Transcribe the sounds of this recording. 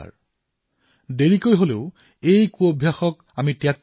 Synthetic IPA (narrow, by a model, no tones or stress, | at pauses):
deɹikojɦoleʊ | ejkuobʱjaxɔk | amitijak